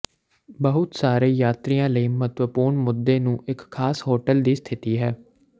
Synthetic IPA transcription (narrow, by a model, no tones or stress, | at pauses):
bəɦʊt̪saːɾeːjaːt̪ɾijãːləiːmət̪ʋəpuːɾɳmʊd̪ːeːnũːʔɪkʰːaːsɦoːʈəld̪iːst̪ʰɪt̪iːɦɛː